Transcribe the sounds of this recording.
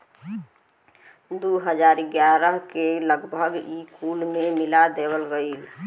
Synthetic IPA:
d̪uɦəd͡ʒaɾɡjaɾəɦkeləɡbʱəɡikulmemilad̪ebəlɡəil

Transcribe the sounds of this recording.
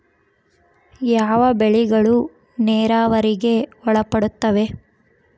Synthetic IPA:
jaːʋɐbeɭiɡɐɭu | neːɾaːʋɐɾiɡe̞ɔɭɐpːɐɽut̪ːɐʋe̞

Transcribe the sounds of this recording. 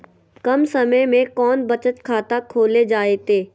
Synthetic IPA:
kɐmsɐməjmẽkɔːnbɐt͡ʃət̪kʰaːt̪akʰoːled͡ʒaːet̪eː

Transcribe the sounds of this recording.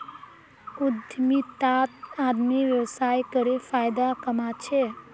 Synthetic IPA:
ud̪ʱjmit̪at̪ad̪miʋjəwsajkəɾepʰajd̪akəmat͡ʃʰe

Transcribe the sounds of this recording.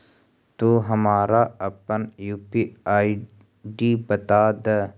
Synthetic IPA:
t̪uːɦəmaːɾaəpənjuːpiaːi | ɖibət̪aːd̪ə

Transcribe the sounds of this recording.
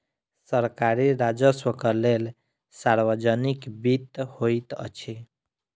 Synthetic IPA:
səɾkaɾiɾad͡ʒəswəkəlel | saɾbəd͡ʒənikbit̪hojt̪ʌ̰t͡ʃʰi

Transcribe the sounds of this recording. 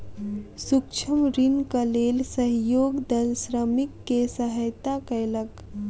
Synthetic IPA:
sukt͡ʃʰəmɾinkəlelsəɦjoɡd̪əlsɾəmikːesəɦəjt̪akəjlək

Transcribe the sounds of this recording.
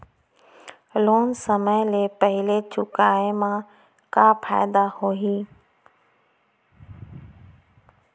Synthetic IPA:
loːnsəməjlepəɦɪlet͡ʃʊkaːemã | kapʰa̰ːɪd̪ahoːɦiː

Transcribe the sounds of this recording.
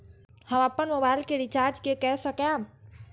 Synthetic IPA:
həməpːənmobaːɪlkeɖit͡ʃaːɾd͡ʒkekɛːsəka

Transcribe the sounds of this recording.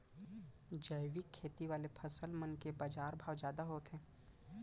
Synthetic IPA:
d͡ʒəjʋɪkʰːeːt̪iʋaːlepʰəsəlmənkebaːd͡ʒaːɾbʱaːwd͡ʒjaːd̪aɦoːt̪ɦɛ̃ː

